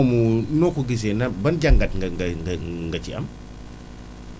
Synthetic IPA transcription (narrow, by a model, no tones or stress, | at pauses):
munɔkuɡis̬ɛnɐbɐnɟaŋɡɐtŋɡŋŋɡŋɡɐciɐ̰m